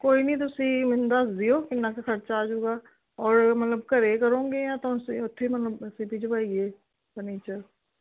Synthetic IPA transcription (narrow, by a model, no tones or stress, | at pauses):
koːinɐĩt̪̬oʊsimɪnd̪asd̪ijoːkɪnːakaxɐɾt͡ʃaːd͡ʒuːɡa | ɔːɾmɐt̪ləb̚kɐɾekɐɾõːŋɡejãt̪oseʊt̪ʰːemɐt̪ləbsipid͡ʒobaieː | pəniːt͡ʃəɾ